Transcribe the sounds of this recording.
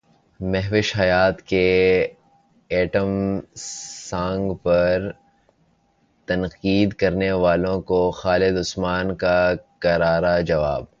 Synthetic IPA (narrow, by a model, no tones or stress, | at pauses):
mɛɦʋɪʃɦɐjaːt̪ke | ɛːʈəm | sãːŋɡpɐɾ | t̪ɐnqiːd̪kɐɾneʋaːlõkoxaːlɪd̪ʊsmaːnkakɐɾaːɾad͡ʒɐʋa̰ːb̚